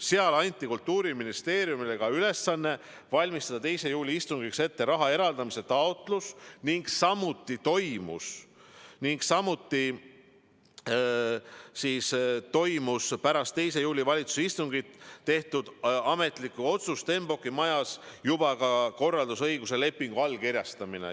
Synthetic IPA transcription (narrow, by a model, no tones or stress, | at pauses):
se̞ɑlɑnʲt̪ːˑikult̪ːuːɾiminist̪e̞ːɾijumileɡ̥ɑyle̞sːɑnːe̞ | vɑlʲmist̪ɑd̪̥ɑt̪e̞jse̞juːlʲiist̪uŋɡ̥ikse̞t̪ːe̞ɾɑɦɑe̞ɾɑld̪ɑmise̞t̪ɑot̪ˑlusniŋɡsɑmːut̪ːˑit̪o̞jmṵs | niŋɡ̥sɑmːut̪ːi | siːst̪o̞jmuspæɾɑst̪ːe̞jse̞juːlʲivɑlʲit̪su̥seist̪uŋɡ̥it̪ːe̞ht̪ud̪̥ɑme̞t̪ˑlikːˑuo̞t̪sust̪e̞mbo̞kːˑimɑjɑsjub̥ɑkɑko̞rːɑld̪usɤ̞jɡ̥use̞le̞pːˑiŋɡ̥uɑlkirʲjɑst̪ɑmine̞̰